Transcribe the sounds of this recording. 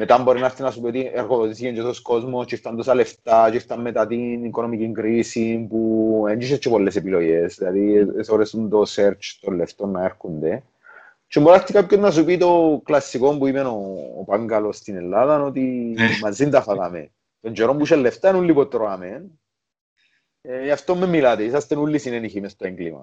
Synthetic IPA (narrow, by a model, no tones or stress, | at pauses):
met̪ambɔɾinaɾt̪inasupot̪iɛrkoot̪isikɛnd͡ʒesɔskɔzmost͡ʃist̪ant̪ɔsaleft̪at͡ʃiɾt̪amːet̪at̪inikonɔmikiŋkɾisimpuɛnd͡ʒiʃɛt͡ʃːɛpɔlːesɛpilojɛsd̪ad̪isoɾesunt̪osɛɾt͡ʃt̪olːɛft̪onːaɛɾkunt̪ɛ | t͡ʃːimbɔɾakt̪ikap̚kːonːas̬upit̪oklasːikompuimɛno̰ːpaŋɡalost̪inɛlːaðanot̪imazint̪afak̪amḛ | t̪ont͡ʃɛɾɔmpuʃɛlːɛft̪anulːipɔt̪ːɾoamen | iaft̪omːemːilat̪eisast̪enulːisinɛniximɛst̪aiŋklima̰